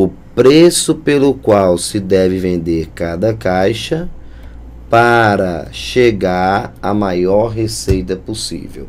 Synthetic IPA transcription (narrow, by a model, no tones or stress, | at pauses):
ʊ | pɾesʊpelʊkwawsɪd̪ɛvɪvẽnd̪eɾkad̪ɐkajʃɐ | paɾɐ̰ʃeɡaɾɐmajɔɾɦesejt̪ɐposḭvḛw